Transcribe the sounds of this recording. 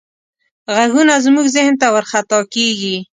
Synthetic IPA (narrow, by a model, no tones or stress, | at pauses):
ɣaɡunazmuɡzɪhnt̪awəɾxat̪ɑkeɡi